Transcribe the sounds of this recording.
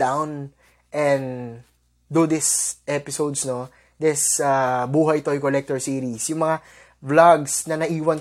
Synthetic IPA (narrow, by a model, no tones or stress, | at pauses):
d̪awn | ʔɛn | d̪ud̪ɪsʔɛpɪsowd̪sno̞ | d̪ɛsabuːɦɐjt̪ojkolɛk̚t̪oɹsiːɾisjʊŋmɐŋa | blaɡsnɐnɐʔiːwɐn